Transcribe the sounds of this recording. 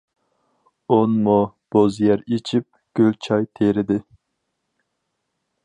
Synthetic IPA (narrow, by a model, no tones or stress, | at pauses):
onmub̥ozjɛɾet͡ʃʰip̚ɡ̥ʲølt͡ʃʰɑjt̪ʰeɾɪd̪ɪ